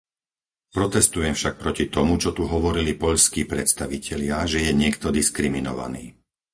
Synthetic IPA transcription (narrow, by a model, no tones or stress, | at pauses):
pɾɔt̪ɛst̪ujɛmfʃak̚pɾɔcit̪ɔmut͡ʃɔt̪uɦɔʋɔɾilipɔʎskiːpɾɛt̪st̪aʋicɛʎɪaʒɛjɛɲɪɛkt̪ɔd̪iskɾiminɔ̰ʋa̰nḭː